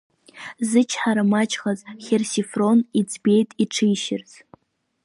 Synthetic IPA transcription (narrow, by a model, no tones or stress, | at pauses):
zɨt͡ʃʰħaɾamat͡ʃʰʼχazχʲersifro̞nid͡zbe̞jtʼiʈ͡ʂʰɨjʃɪrz